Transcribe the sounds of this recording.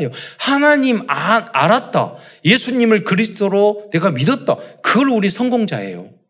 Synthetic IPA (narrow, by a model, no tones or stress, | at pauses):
johanaɲimanaɾat̚t͈a̰ | je̞sʰuɲimɯɭkɯɾisʰt͈ʰoɾone̞ɡamidʌt̚t͈akɯɡʌɾuɾisʰʌŋɡoŋd͡ʑa̰e̞̰jo̰